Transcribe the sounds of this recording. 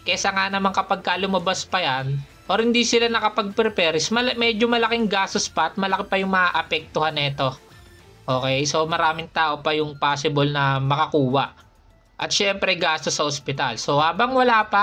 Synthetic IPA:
kɛsɐŋanɐmaŋkɐpɐɡ̚kɐlʊmɐbaspɐjan | ʔoɾhɪnd̪isɪlanɐkɐpɐɡ̚pɛɾɛpɛɾɪsmɐlmɛːd͡ʒomɐlɐkɪŋɡaːst̪ospɐʔɐt̪̚mɐlɐkɪpɐjʊŋmɐŋaʔɐpɛk̚t̪ʊhanɛːt̪o̞ | ʔo̞ːkɛjso̞mɐɾaːmɪŋt̪aːʔo̞pɐjʊŋpaːsɪbolnɐmɐkɐkuːwɐʔ | ʔɐ̰t̪̚ʃɛmpɾɛɡaːst̪osːɐʔospɪt̪also̞haːbɐŋwɐlaːpɐ

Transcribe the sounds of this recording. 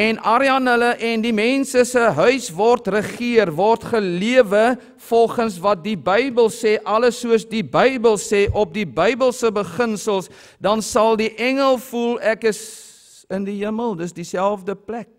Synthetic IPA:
ɛnʔɑɾiɐnɦələʔɛndimɛnsəsəɦœɥsvɔrtrəχiərvɔrtχəliəvə | fɔlˠχənsvɐt̚dibəjbəlˠsɛːʔɐləsuəsdibəjbəlˠsɛːʔɔp̚dibœjbəlˠsəbəχənsəlˠsdɐnsɐlˠdiʔɛŋəlˠfulˠɛkəs | əndiɦəməlˠdəsdisælˠfdəplɛk̚

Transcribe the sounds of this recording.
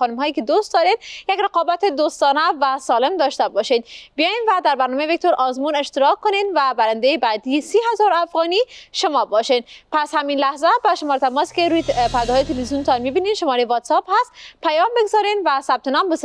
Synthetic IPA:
ɒːnumhɒːjiked̪ost̪d̪ɒːɾed̪jekɾeqɒːbæt̪ed̪ost̪ɒːnævæsɒːlemd̪ɒːʃt̪æbɒʃid̪bijɒjinvæd̪æɾbæɾnɒːmejevek̚t̪ʰoɾʔɒːzmuːneʃt̪eɾɒːkkːonid̪væbæɾænd̪ejebæd̪ijsiːɦæzɒɾæfɣɒːniːʃomɒːbɒʃenpʰæshæminlæhzæbæʃomɒːɾet̪ʰæmɒːskeɾujepæɾd̪hːjet̪ʰelvizijunt̪ʰɒnmibininʃomɒɾejvɒːt̪sɑphæst̪pʰæjɒːmbeɡzɒɾinvæsæb̥̚t̪ʰenɒːmbes

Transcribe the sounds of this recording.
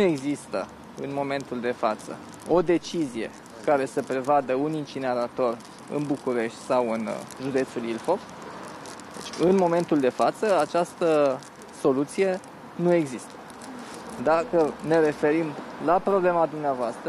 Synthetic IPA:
e̞ɡzist̪ə | ɨ̰nmo̞me̞nt̪uld̪e̞fat̪sə̰ | o̞d̪e̞t͡ʃizije̞̰ | kaɾe̞səpɾe̞vad̪əunint͡ʃine̞ɾat̪o̞ɾ | ɨ̰nbukuɾe̞ʃt̪ʲsawɨnʒud̪e̞t̪sulilfo̞ | d̪ḛt͡ʃʲɨnmo̞me̞nt̪uld̪e̞fat̪səat͡ʃast̪ə | so̞lut̪sije̞ | nueɡzist̪ə̥ | d̪akəne̞ɾe̞fe̞ɾimlapɾo̞ble̞mad̪umneavoast̪ɾə

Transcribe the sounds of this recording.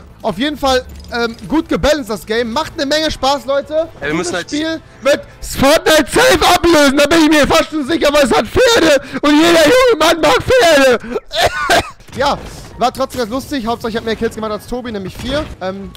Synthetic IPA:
ʔaʊfjeːdn̩falʔɛːmɡuːt̚ɡ̥əbɛlənstd̥asɡ̥ɛɪmːaχtnəmɛŋəʃpaːslɔʏtədasʃpiːl | vɪɐt | sfɔtnaɪtsɛlfʔapløːzn̩daːbɪnɪçmiːɐfastʃonzɪçɐvaɪlɛs̬hatfeːɐɾəʊntjeːɾɐjʊŋəmanmaːk̚feːɐɾə | jaːvaːtʁ̥ɔtt͡ssdeːmɡans̬lʊstɪçhaʊp̚tz̥aːlɪçhatmeːɐkʰɪsɡ̥əmaχtalstʰoːbinɛːmlɪçfiːɐʔɛːm

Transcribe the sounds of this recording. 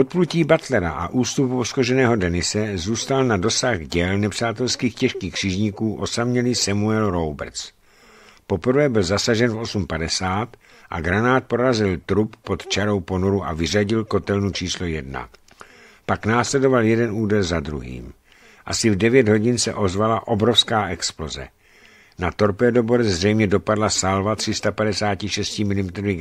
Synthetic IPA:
ʔot̪̚pluciːbat̪lɛɾa̰ʔa̰ʔuːst̪upposkoʒɛnɛːɦo̞dɛnɪsɛzuːst̪alnado̞saɣɟɛlnɛpr̝̥aːt̪ɛlskiːxcɛʃkiːxkr̥iʒɲɪkuːʔo̞samɲɛlisamuɛlɾo̞wbɛ̰ɾt͡s | po̞pr̩vɛːbɪlzasaʒɛnfʔo̞sumpadɛsaːt̪ | ʔa̰ɡɾanaːt̪̚poɾazɪlt̪ɾupːo̞t̪t͡ʃaɾo̞wpo̞noɾuʔa̰vɪraɟɪlko̞t̪ɛlnut͡ʃiːslojɛdna̰ | paknaːslɛdo̞valjɛdɛnuːdɛlzad̪ɾṵɦḭːm | ʔasɪvdɛvjɛd̪ɦo̞ɟɪnsɛ̰ʔo̞zvalaʔo̞bɾo̞fskaːʔɛksplo̞zɛ̰ | nat̪o̞ɾpɛːdoboɾɛzrɛjmɲɛdo̞padlasalvat̪r̥ɪst̪apadɛsaːcɪʃɛscɪmɪlɪmɛt̪ɾovɪ

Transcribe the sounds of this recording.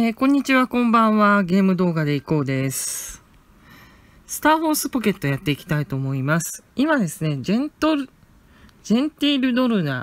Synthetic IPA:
eːkõ̞ɲ̟ːit͡ɕiβakõ̞mbãɰ̃βaɡʲe̞ːmɯ̟d̪o̞ːɡad̪e̞iko̞ːd̪e̞sɨ̥ | sɨ̥t̪aːho̞ːsɨ̥po̞ke̞t̪ːo̞jat̪ːe̞ikʲi̥t̪ait̪o̞ːmo̞imasɨ̥imad̪e̞sɨne̞ẽnt̪oɾ | d͡ʑẽ̞nt̪ʲiːɾɯ̟d̪o̞ɾɯ̟na

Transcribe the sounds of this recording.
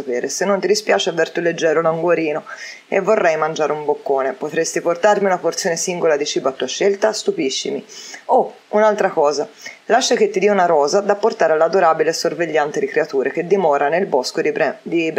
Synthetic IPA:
apɛːɾesenːont̪id̪ispjaːt͡ʃeavːert̪uled͡ʒːɛːɾolauŋɡwoɾiːno | ḛvːorːɛjmand͡ʒaːɾeumbokːoːnepot̪ɾest̪iport̪armiunaport̪sjoːnesiŋɡolad̪it͡ʃiːbat̪ːuːaʃɛlt̪ast̪upiʃːimio | unalt̪ɾakɔːza | laʃːak̟et̪ːid̪iːunaɾɔːzad̪apːort̪aːɾealːad̪oɾaːbilesorveʎːant̪ed̪ikɾeat̪uːɾek̟ed̪ːimɔːɾanelbɔskod̪ib

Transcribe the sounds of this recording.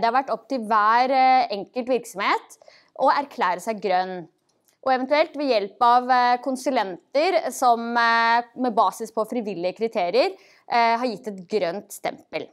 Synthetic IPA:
d̪ɛhɑɾʋæʈːɔp̚ːt̪ɪlʋæːɾɛŋkəlt̪ʋɪɾksɔmheːt̪ | ʔɔæɾkʰlæːɾəsæɪɡɾœnː | ʔɔɛʋɛnt̪ʉɛlt̪ʋɛjɛlpɑʋkʰʊnsʉlɛnt̪əɾsɔm | mɛbɑːsɪspʰɔfɾɪʋɪlːɪəkʰɾɪt̪ʰeːɾɪəɾ | ɦɑɾjɪt̪ːɛt̪ɡɾœnt̪st̪ɛ̰mpəl

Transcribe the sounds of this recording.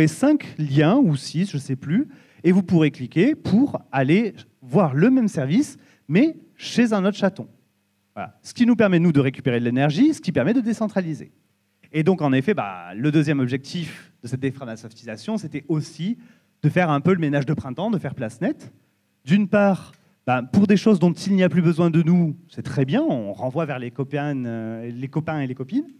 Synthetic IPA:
esɛ̃kljɛ̃usisʒ̥əsɛply | evupuʁeklikʲepʰuʁale | vwaʁləmɛmsɛʁvis | mɛ | ʃezɛ̃not̪χʃat̪ɔ̰̃ | vwala̰sə̥kʲinupɛʁmɛnud̪əʁekʲy̥peʁelenɛʁʒisə̥kʲipɛʁmɛd̪əd̪esɑ̃t̪χalizḛ | ed̪ɔ̃kɑ̃nefɛba̰ləd̪øzjɛmɔbʒɛk̚t̪ifd̪əsɛt̪̚d̪efamasɔft̪izasjɔ̃set̪ɛosi | d̪̥əfɛʁɛ̃pøləmenaʒd̪əpχɛ̃t̪ɑ̃d̪əfɛʁplasnɛt̪ | d̪ynpaːʁ | bapuʁd̪eʃozd̪ɔ̃t̪ilniaplybəzwɛ̃d̪ənusɛt̪χɛbjɛ̃ɔ̃ʁɑ̃vwavɛʁlekɔpɛnlekɔpɛ̃elekɔpin

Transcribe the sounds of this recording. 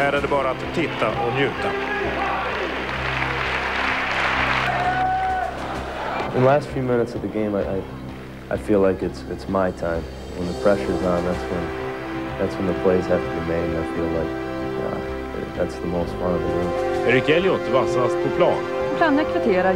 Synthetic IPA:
hæɾæɖɛbɑːɾaːt̪ʰːɪt̪ːaʔɔnjʉ̟ːt̪a | ɨ̃nðəlæstfjʉmɪ̃nɨtsʌvðɨɡẽɪ̃maɪʔaɪ | ʔaɪfilaɪkɨtsɨtsmaɪtʰãɪ̃m | ə̃nðəpʰɹ̥ɛʃə˞zãɪ̃nðætswə̃n | ðætswə̃nðəpʰl̥eɪz̥hæftəbimẽɪɾ̃naɪfilaɪk̚ | jæ̰ | ðætsðəmoʊstwʌ̃nʌvðɨɡẽɪ̃mɛɾɪkɛljɔt̪vasaspʰɔpʰlɑːnpʰlaːnɛkʰvɪt̪ʰeːɾa

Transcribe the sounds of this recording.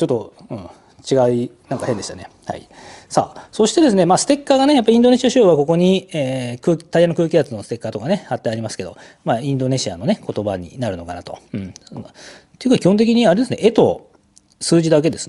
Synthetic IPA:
t͡ɕo̞t̪ːoɯ̟̃ | t͡ɕiɡainãŋkahẽ̞nd̪e̞i̥t̪ane̞ha̰ḭsa̰ːso̞ɕi̥t̪e̞d̪e̞s̬ɨne̞maːsɨ̥t̪e̞kːaɡane̞japːaɾʲĩnd̪o̞ne̞ɕiaɕoːβako̞ko̞ɲ̟ieːkɯ̟ːt̪aianokɯːkʲiat͡sɨno̞sɨ̥t̪e̞kːat̪o̞kane̞hat̪ːẽaɾʲimasɨ̥ke̞d̪o̞̰ | maːĩnd̪o̞ne̞ɕia̰no̞ne̞ko̞t̪o̞baɲ̟ḭnaɾɯ̟no̞kanat̪o̞̰ɯ̟̃ɴ | t̪eiɯ̟kaikʲihont̪̬ekiɲ̟iaɾe̞d̪esɨne̞e̞t̪o̞ | sɨːʑid̪ak̬e̞d̪e̞sɨ

